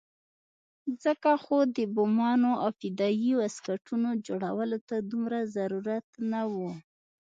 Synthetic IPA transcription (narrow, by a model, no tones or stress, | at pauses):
zəkaxod̪əbʊmɑnoʔawfɪd̪ɑjiwaskaʈunod͡ʒoɽawəlot̪ad̪umɾazaɾuɾat̪nawu